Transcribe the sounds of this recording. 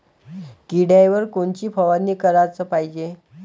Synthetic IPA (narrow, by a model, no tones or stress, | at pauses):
kiɽajʋəɾkoɳt͡ɕiːpʰəʋanːiːkəɾat͡səpaɦid͡ʑe